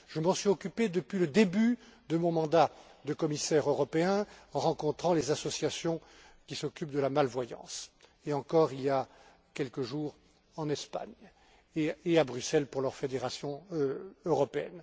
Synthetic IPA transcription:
ʒəmɑ̃sɥiɔkʲyped̪əpɥiləd̪ebyd̪əmɔ̃mɑ̃d̪ad̪əkɔmisɛʁøʁɔpeɛ̃ɑ̃ʁɑ̃kɔ̃t̪χɑ̃lezasɔsjasjɔ̃ | kʲisɔkʲypd̪əlamalvwajɑ̰̃s | eɑ̃kɔʁilja | kʲɛlkəʒuːʁ | ɑ̃nɛspa̰ɲ | eeabʁysɛlpuʁlœʁfed̪eʁasjɔ̃ | øʁɔpeɛ̰n

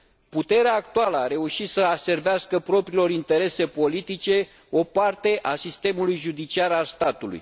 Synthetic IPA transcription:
put̪e̞ɾeaːk̚t̪ualəaɾe̞uʃit̪səase̞rveaskəpɾo̞pɾiːlo̞ɾint̪e̞ɾe̞se̞po̞lit̪it͡ʃe̞ | o̞part̪e̞ʔasist̪e̞mulujʒud̪it͡ʃiaɾalst̪at̪ulṵj

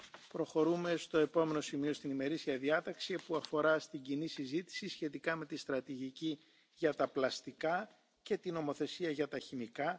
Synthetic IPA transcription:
pɾo̞xo̞ɾume̞st̪o̞e̞po̞me̞no̞simio̞st̪inime̞ɾisiɐðiɐt̪ɐksipuɐfo̞ɾɐst̪iɲɟinisizit̪i̥sisçe̞t̪ikɐme̞t̪ist̪ɾɐt̪iʝici | ʝɐt̪ɐplɐst̪ikɐ | ce̞t̪ino̞mo̞θe̞siɐʝɐt̪ɐçimikɐ

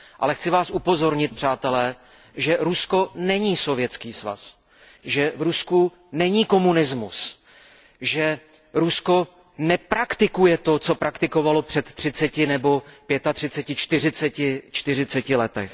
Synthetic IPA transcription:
ʔa̰lɛxt͡sɪvaːsʔupo̞zo̞ɾɲɪt̪̚pr̝̥aːt̪ɛlɛː | ʒɛɾusko̞nɛɲiːso̞vjɛt͡skiːsva̰s | ʒɛvɾusku | nɛɲiːko̞munɪzmṵs | ʒɛ | ɾusko̞ | nɛpɾakt̪ɪkujɛt̪o̞t͡so̞pɾakt̪ɪko̞valo̞pr̝̥ɛt̪ːr̥ɪt͡sɛcɪnɛbo̞pjɛt̪at̪r̝̥ɪt͡sɛcɪt͡ʃt̪ɪr̝ɪt͡sɛcɪt͡ʃt̪ɪrɪt͡sɛcɪlɛt̪ɛx

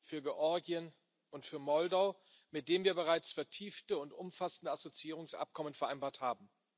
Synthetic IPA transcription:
fyːɐɡeʔɔɐɡiən | ʔʊntfyːɐmɔldaʊ | mɪt̚d̥eːmviːɐbəʁ̞aɪt͡sfɛɐtʰiːftəʊntʔʊmfasn̩dəazot͡siiːʁʊŋsʔa̰p̚kʰɔmənfɛɐʔaɪnbaːɐthaːbm̩

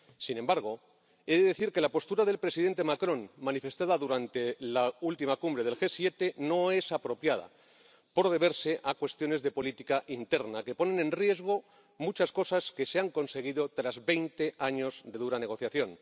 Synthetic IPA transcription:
sinembaɾɣ̞o̞ | e̞ðeðe̞θiɾke̞lapo̞st̪uɾaðe̞lpɾesiðe̞nt̪emakɾõ̞nmãnife̞st̪aðaðuɾant̪e̞lault̪imakumbɾe̞ð̞e̞lxe̞sje̞t̪e̞no̞e̞sapɾo̞pjað̞a̰ | po̞ɾð̞e̞βe̞ɾse̞ʔakwe̞st̪jo̞ne̞zðe̞po̞lit̪ikaʔint̪e̞ɾnake̞po̞nẽ̞nẽ̞nrje̞zɣ̞o̞ | mut͡ʃasko̞saske̞seaŋko̞nse̞ɣ̞iðo̞t̪ɾazβe̞jnt̪e̞ʔaɲo̞zðe̞ðuɾane̞ɣ̞o̞θjaθjo̞n

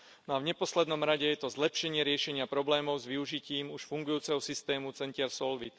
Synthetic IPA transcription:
nɔavɲɛpɔslɛd̪nɔmɾaɟɛjɛt̪ɔzlɛpʃɛɲɪɛɾɪɛʃɛɲɪapɾɔblɛːmɔʊzʋiuʒiciːmuʃfuŋɡujuːt͡sɛɦɔsist̪ɛːmut͡sɛɲcɪɛɾsɔlʋḭt̪

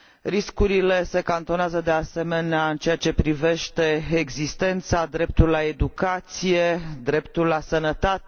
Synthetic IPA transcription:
ɾiskuɾile̞se̞kant̪o̞neazəd̪ease̞me̞neaɨnt͡ʃe̞at͡ʃe̞pɾive̞ʃt̪e̞eɡzist̪e̞nt̪sad̪ɾe̞p̚t̪ullae̞d̪ukat̪sije̞d̪ɾe̞pt̪ullasənət̪at̪

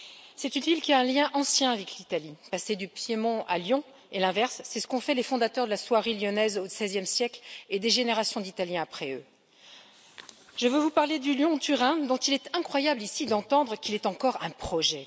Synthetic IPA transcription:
sɛt̪ynvilkʲiaɛ̃ljɛ̃ʔɑ̃sjɛ̃avɛklit̪alipased̪ypjemɔ̃ʔa̰ljɔ̃ | elɛ̃vɛʁsːɛsə̥kɔ̃fɛlefɔ̃d̪at̪œʁd̪əlaswaʁiljɔnɛzosɛzjɛmsjɛkled̪eʒeneʁasjɔ̃d̪it̪aljɛ̃apχɛø | ʒ̥əvøvupaʁled̪yljɔ̃t̪yʁɛ̃d̪ɔ̃t̪ilɛt̪ɛ̃kχwajablisid̪ɑ̃t̪ɑ̃d̪ʁəkilɛt̪ɑ̃kɔʁɛ̃pχɔʒɛ

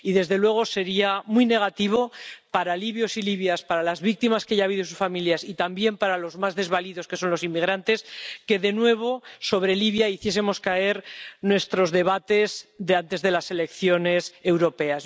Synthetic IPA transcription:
iðe̞zðe̞lwe̞ɣ̞o̞se̞ɾiamwijne̞ɣ̞at̪iβ̞o̞paɾaliβjo̞siliβjaspaɾalazβik̚t̪imaskeaʝaβiðos̬usfamiljasit̪ambje̞mpaɾalo̞zmazðe̞zβaliðo̞ske̞so̞nlo̞simːiɣɾant̪e̞ske̞ðe̞nwe̞β̞o̞so̞β̞ɾe̞liβjaiθje̞s̬e̞mo̞skae̞ɾnwe̞st̪ɾo̞zðe̞βat̪e̞zðeant̪e̞zðe̞lase̞le̞kθjo̞ne̞se̞wɾo̞pe̞as

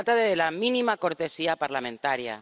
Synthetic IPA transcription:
t̪aðeðelamĩnimako̞ɾt̪e̞siapaɾlamẽ̞nt̪aɾja̰

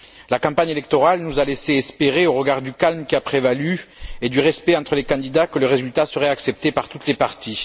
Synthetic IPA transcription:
lakɑ̃paɲelɛkt̪ɔʁalnuzaleseɛspeʁeoʁəɡaʁd̪ykalmkʲiapχevalyed̪yʁɛspɛɑ̃t̪χəlekɑ̃d̪id̪akələʁezylt̪asəʁɛaksɛp̚t̪epaʁt̪ut̪lepaʁt̪i

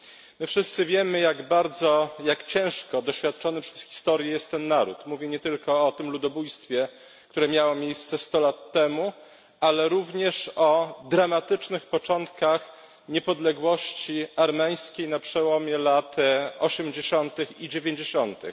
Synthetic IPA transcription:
mɘfʂɘst̪sɘvʲjɛmɘjaɡbaɾd̪zɔjakt͡ɕɛ̃w̃ʂkɔd̪ɔɕfʲjat̪̚t͡ʂɔnɘpʂɛ̥sxʲi̥st̪ɔɾʲjɛjɛst̪ːɛnːaɾṵt̪muvʲjɛɲɛt̪ɘlkɔːt̪ɘmlud̪ɔbujst̪fʲjɛ | kt̪uɾɛmʲjawɔmʲjejst̪sɛst̪ɔlat̪ːɛmu | alɛɾuvɲɛʂɔd̪ɾamat̪ɘt͡ʂnɘxpɔt͡ʂɔnt̪kax | ɲɛpɔd̪lɛɡwɔɕt͡ɕiaɾmɛj̃skʲejnapʂɛwɔmʲjɛlat̪ɔɕɛmd͡ʑeɕɔnt̪ɘxid͡ʑevʲeɲd͡ʑeɕɔnt̪ɘ̰x

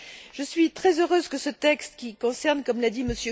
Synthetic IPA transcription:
ʒ̥əsɥit̪χɛzøʁøzkəsət̪ɛkst̪kʲikɔ̃sɛʁnkɔmlad̪iməsjø

